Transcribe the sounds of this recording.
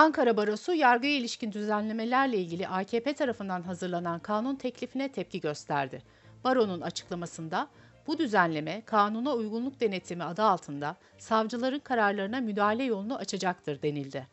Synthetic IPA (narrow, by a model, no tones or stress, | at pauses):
aŋkaɾabaɾo̞sujaɾɡɯjilʲiʃcind̪yzænlʲe̞me̞lʲæɾlʲɛilʲɟilʲiʔaːcʰe̞ːpʰet̪ʰaɾafɯnd̪anɦazɯɾlˠanankʰaːnunt̪ʰɛclʲifinɛt̪ʰɛp̚cʰiɟø̞st̪ʰæ̰ɾd̪ɪ | baɾo̞nunat͡ʃʰɯ̥klˠamasɯnd̪a | b̥ud̪yzænlʲe̞mɛkʰaːnunaujɡunlˠuk̚d̪e̞net̪ʰːimiad̪aːlˠt̪ʰɯnd̪a | savd͡ʒɯlˠaɾɯnkʰaɾaɾlˠaɾɯnamyd̪aːɦalʲɛjo̞lˠunuʔat͡ʃʰad͡ʒak̚t̪ʰɯɾd̪e̞nilʲd̪ɪ